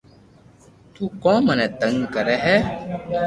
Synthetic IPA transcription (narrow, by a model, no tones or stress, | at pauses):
t̪uːkɔ̃ːmənɛt̪əŋɡkəɾɛɦɛː